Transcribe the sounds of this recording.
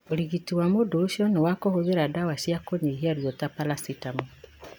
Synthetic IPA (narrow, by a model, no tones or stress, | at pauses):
oɾiɡitiwamodoːʃiɔnewakɔhoðeɾadawaʃiakoɲeɦiaɾjotapalasitamo